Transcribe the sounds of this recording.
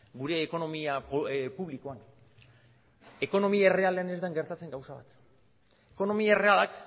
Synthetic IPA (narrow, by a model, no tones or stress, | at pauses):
ɡuɾe̞ːko̞no̞miapuβlikoan | e̞ko̞no̞miaere̞ale̞ane̞zd̪aŋɡe̞ɾt̪at͡seŋɡawsaβat̪ | e̞ko̞no̞miaere̞alak